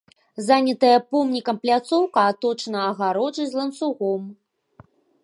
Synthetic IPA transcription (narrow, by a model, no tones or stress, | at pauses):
zanʲɐt̪ɐjɐpɔmnʲikɐmplʲat̪sɔwkɐat̪ɔt͡ʂnɐːɣaɾɔʐɨzʲlˠɐnsuɣɔm